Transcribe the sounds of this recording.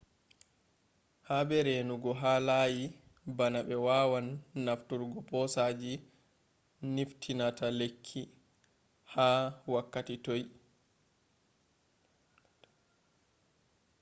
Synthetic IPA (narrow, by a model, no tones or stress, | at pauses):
habɛɾenuɡɔɦaːlaːji | banaɓɛwaːwanːaftuɾɡɔpɔsaːd͡ʒi | niftʰinatalekʰːi | haːwakːatitoj